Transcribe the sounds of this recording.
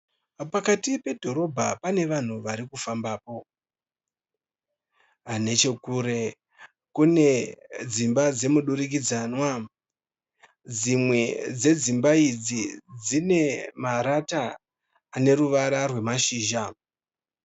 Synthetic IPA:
pakatipe̞dʱo̞ɾo̞bʱapane̞ʋan̤uʋaɾikufambaːpo̞ | ane̞t͡ʃe̞kuːɾe̞ | kune̞d͡zimbad͡ze̞muɗuɾik̬id͡zanwa | d͡zimwe̞d͡ze̞d͡zimbaid͡zid͡zine̞maɾataː | ne̞ɾuʋaɾarwe̞maʃiːʒa

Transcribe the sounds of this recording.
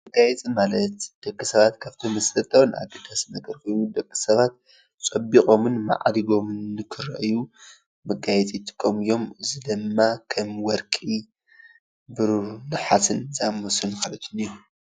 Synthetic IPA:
mɨɡajɛt͡sʼimalɐt̪d̪̥ɐkʼːisɐβat̪kʰaβt̪ʰomɐslɐt̪ʰɐwnʔa̰d̪ɐd̪asɨnɐɡɐɾkʰojnud̪ɐkʼːisɐβat̪̚ | t͡sʼɐbikʼo̞mɨnma̰ʕd̪iɡo̞mɨnːkʰɨɾɐ̰ʔju | mɐɡajɛt͡sʼit̪ʼɨ̥kʼːɐmɨjo̞mɨzɨd̪ɨmːakʰɐmwɔɾkʼi | bɨɾunɨħasɨnzamosɨnkʰɐlɐt̪ʰɨniu

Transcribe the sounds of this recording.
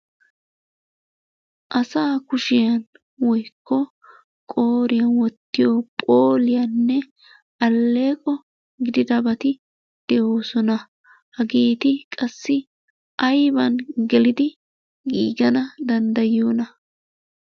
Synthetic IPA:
ʔɐsaːkʊʃɪjɐn | wɔjkːɔ | kʼo̞ːɾɪjɐnwɔt̪ːɪjoːpʼoːlɪjɐnːɛ | ʔɐlːe̞ːkʼɔ | ɡɪd̪ɪd̪ɐbɐt̪ɪ | d̪̥ɛʔoːsɔnɐ | hɐɡeːt̪ɪkʼɐsːɪ | ʔɐjbɐnɡɛlɪd̪ɪ | ɡiːɡɐnɐd̪ɐnd̪ɐjːo̞ːnɐ

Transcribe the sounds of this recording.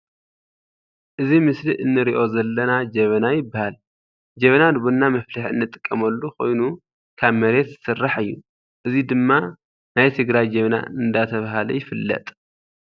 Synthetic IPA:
ʔɨzimɨsliʔɨnːɨɾiʔo̞zɐlːɐnad͡ʒɐβɐnajɪbːahal | d͡ʒɐβɐnad̪ɨβunːamɐflɨħɨ̰nːɨt̪ʼɨ̥kʼːɐmɐlːuko̞jnu | kʰaβmɐɾe̞t̪zɨsɨrːaħɨjːu | ʔɨzid̪ɨmːa | najt̪ʰɨɡɾajd͡ʒɐβɐna̰ɨnd̪at̪ʰɐβaɦalɐ̰jɪfɨlːɐ̰t̪ʼ

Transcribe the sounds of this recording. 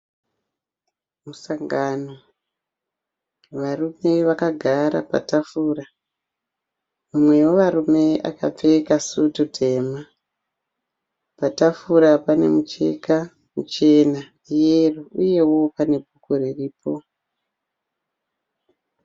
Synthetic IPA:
musaŋɡano̞ | ʋarume̞ʋakaɡʱaɾa̰pa̰tafuːra | mamwe̞woʋaɾume̞a̰ka̰p͡fe̞kasututʰe̞ːma | patafuɾapane̞̰mut͡ʃe̞̰ka | mut͡ʃe̞na | ijeruuje̞wo̞pane̞bʱukuɾiriːpo̞

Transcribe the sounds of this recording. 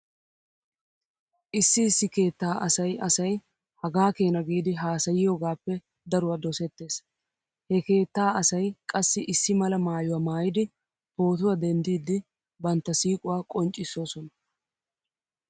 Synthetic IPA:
ʔɪsːɪːsːɪke̞ːt̪ːaːʔɐsɐjɐsɐj | hɐɡaːke̞ːnɐɡiːd̪ɪɦaːsɐjɪjoːɡaːpːɛ | d̪ɐɾʊwad̪ɔsɛt̪ːe̞ːs | hɛke̞ːt̪ːaːɐsɐjkʼɐsːɪʔɪsːɪmɐlɐmaːjʊwaːmaːjɪd̪ɪ | ho̞ːt̪̬ʊwɐd̪ɛnd̪iːd̪ɪ | bɐnt̪ːɐsiːkʼʊwaːkʼɔnt͡ʃʼɪsːo̞ːsɔnɐ

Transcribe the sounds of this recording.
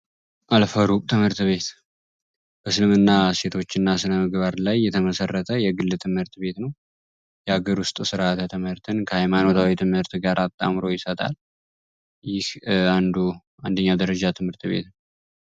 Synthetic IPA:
ʔalfəɾukʼt̪ʰɨmhɨɾt̪βe̞t̪ | b̥əsɨlɨmɨnːase̞t̪ʰo̞t͡ʃːɪnːasɨnəmɨɡbaɾlajːɛt̪ʰəməsərːət̪ʰəjɛɡɨlːɨt̪ʰɨmhɨɾt̪be̞t̪nəw | jɛaɡəɾwʊst̪ʼsɨɾat̪ʰət̪ʰɨmɨɾt̪ʰɨnkʰəhajmano̞t̪ʰawit̪ʰɨmhɨɾt̪ɡaɾʔat̪ʼːa̰mɾo̞jɪsət̪ʼa̰l | jɪhand̪u | and̪əɲːad̪əɾəd͡ʒat̪ʰɨmhɨɾt̪βe̞̰t̪nəw

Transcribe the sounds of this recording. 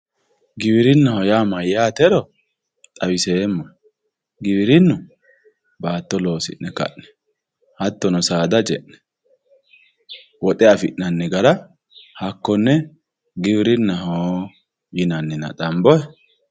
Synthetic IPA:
ɡɪβɪɾɪnːɐhɔjaːmɐjaːt̪ɛɾɔ | t̪ʼɐwɪseːmːɔ | ɡɪβɪɾɪnːʊ | baːt̪ːɔlo̞ːsɪ̰ʔːɛkɐ̰ʔnɛ̥ | hɐt̪ːɔnɔsaːd̪ɐd͡ʒɛʔnɛ̥ | wɔt̪ʼɛɐfɪʔnɐnːɛɡɐlɐ | hɐkːɔnːɛ | ɡɪbɪɾɪnːɐho | jɪnɐnːɪnɐ̰t̪ʼɐmbɔɛ

